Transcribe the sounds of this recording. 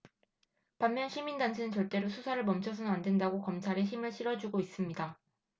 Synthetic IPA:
pammjʌnɕʰimindant͡ɕʰenɯnt͡ɕʌɭt͈e̞ɾosʰusʰaɾɯɭmʌmt͡ɕʰʌsʰʌnandwe̞ndaɡokʌmt͡ɕʰaɾe̞çimɯɭɕʰiɾʌd͡ʑuɡois͈ɯmɲida

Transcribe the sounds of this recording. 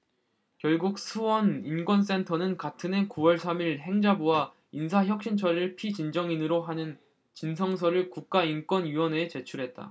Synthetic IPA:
kjʌɭɡuk̚sʰuwʌnink͈wʌns̬͈e̞ntʰʌnɯnkatʰɯne̞kuwʌɭsʰamiɾɦe̞ŋd͡ʑabuwa | insʰaçjʌk̚ɕ͈int͡ɕʰʌɾɯɭpʰit͡ɕind͡ʑʌŋinɯɾoɦanɯn | t͡ɕinsʰʌŋsʰʌɾɯɭkuk̚k͈aink͈wʌnɥiwʌne̞t͡ɕe̞t͡ɕʰuɾɦe̞t̚t͈a̰

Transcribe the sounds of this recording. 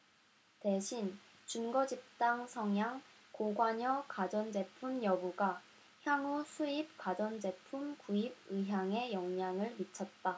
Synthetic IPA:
te̞ɕʰin | t͡ɕunɡʌd͡ʑip̚t͈aŋsʰʌŋjaŋ | koɡwaɲʌkad͡ʑʌnd͡ʑe̞pʰumjʌbuɡa | çjaŋusʰuip̚k͈ad͡ʑʌnd͡ʑe̞pʰumkuib̚ɯɦjaŋe̞jʌŋɲaŋɯɭmit͡ɕʰʌt̚t͈a

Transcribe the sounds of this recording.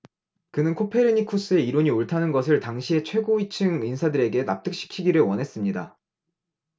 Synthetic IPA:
kɯnɯnkʰopʰe̞ɾiɲikʰos͈ɯe̞iɾoɲioɭtʰanɯnɡʌs̬ʰɯɭtaŋɕʰie̞t͡ɕʰwe̞ɡoit͡ɕʰɯŋinsʰadɯɾe̞ɡe̞na̰p̚t͈ɯk̚ɕ͈i̥kʰiɡiɾɯɭwʌnɦe̞s͈ɯmɲida̰

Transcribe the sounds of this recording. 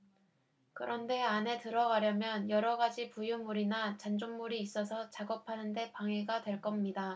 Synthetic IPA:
kɯɾʌnde̞ane̞tɯɾʌɡaɾjʌmjʌnjʌɾʌɡad͡ʑipujumːuɾinat͡ɕand͡ʑonmuɾiːs͈ʌsʰʌt͡ɕaɡʌpʰanɯnde̞paŋe̞ɡadwe̞ɭk͈ʌmɲida

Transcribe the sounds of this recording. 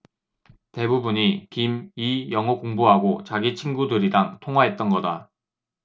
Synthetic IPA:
te̞bubuɲikimijʌŋokoŋbuɦaɡot͡ɕaɡit͡ɕʰinɡudɯɾidaŋtʰoŋɦwaɦe̞t̚t͈ʌnɡʌda

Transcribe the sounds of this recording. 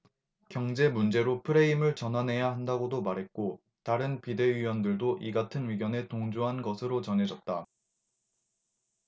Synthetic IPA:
kjʌŋd͡ʑe̞mund͡ʑe̞ɾopʰɯɾe̞imɯɭt͡ɕʌnɦanɦe̞jaɦandaɡodomaɾɦe̞t̚k͈o | taɾɯnpide̞ɥiwʌndɯɭdoʔiɡatʰɯnɥiɡjʌne̞toŋd͡ʑuɦanɡʌsʰɯɾot͡ɕʌnɦe̞d͡ʑʌt̚t͈a

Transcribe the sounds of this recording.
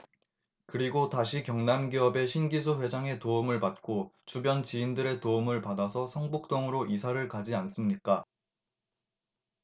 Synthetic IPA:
kɯɾiɡotaɕʰikjʌŋnamɡiʌbe̞ɕʰinɡisʰuɸwe̞d͡ʑaŋe̞toumɯɭpat̚k͈ot͡ɕubjʌnt͡ɕiːndɯɾe̞toumɯɭpadasʰʌsʰʌŋbuk̚t͈oŋɯɾoʔisʰaɾɯɭkad͡ʑians͈ɯmɲik͈a

